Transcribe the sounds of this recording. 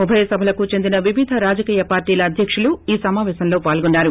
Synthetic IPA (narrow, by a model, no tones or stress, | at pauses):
ubʱɐjɐsɐbʱɐlɐkut͡ʃe̞nd̪inɐʋiʋid̪ʱɐɾaːd͡ʒɐkiːjɐpaːɾʈiːlɐːd̪ʱjɐkʂuluiːsɐmaːʋɛːʃɐnlo̞ːpaːlɡunːaːɾu